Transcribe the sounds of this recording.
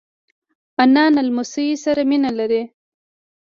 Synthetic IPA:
anɑːnalmʊsiisaɾaminalaɾe

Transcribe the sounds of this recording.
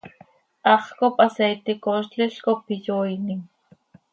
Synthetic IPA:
ʔɑχkopʼasejt̪ekoʃt͡ɬɪɬkopijojnɪŋ

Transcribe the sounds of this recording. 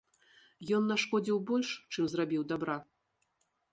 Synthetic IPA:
jɔnːaʂkɔd͡zʲiwbɔlʲʂt͡ʂɨmzrabʲiwd̪abɾa

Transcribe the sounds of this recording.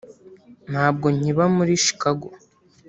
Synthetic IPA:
n̥haːb̚ɡo̞ɲiβamuɾiʃi̥kaɡo

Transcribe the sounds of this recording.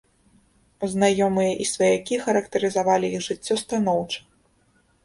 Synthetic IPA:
uznajɔmɨjɐʔisvɐjakʲixɐɾɐkt̪ɐɾɨzavalʲiiɣʐɨt͡sʲːɔst̪anɔwt͡ʂɐ̥

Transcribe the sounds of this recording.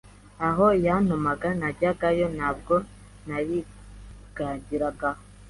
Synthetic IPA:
aɦojanomaɡanaɟaɡajonaːb̚ɡo | naβi | ɡ̥aːɲɟiɾaɡaho

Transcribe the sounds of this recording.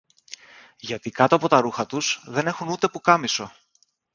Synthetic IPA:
ʝɐt̪ikɐt̪o̞ɐpo̞t̪ɐɾuxɐt̪usðe̞ne̞xunut̪e̞pukɐmiso̞

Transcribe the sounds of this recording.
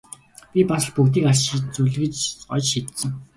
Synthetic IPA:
pʲipas̆ɮpukt̪iːkarʃit͡suɮɣɘ̆t͡ɕɔt͡ɕʃit̪sɘ̆ŋ

